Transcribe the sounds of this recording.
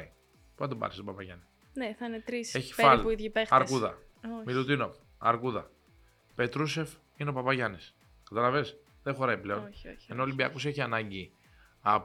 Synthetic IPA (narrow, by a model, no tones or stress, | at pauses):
i | puθɐt̪obɐ̰ɾist̪opɐpɐʝɐnis | neθɐinet̪ɾiseçi̥feɐlpuiðʝipexɐɾkuðɐomilut̪inop | ɐ̰ɾkuðɐ̰ | pe̞t̪ɾuse̞f | ineopɐpɐʝɐnis | kɐt̪ɐlɐves | ðexo̞ɾɐiple̞o̞nçoe̞no̞olimbiɐkuse̞çiɐnɐɲɟi | ɐp